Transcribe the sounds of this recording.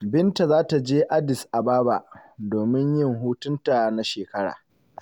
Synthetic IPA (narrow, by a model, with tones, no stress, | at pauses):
bɪ˦nta˨zaː˦ta˨d͡ʒeː˦ʔa˦dɪ˨sʔa˨baː˦ba̰˨ʔdoː˨mɪ˦ɲjɪ˦˨ŋɦuː˦tʊ˦nta˨na˦ʃeː˨kɐ˦ɽa̰ː˨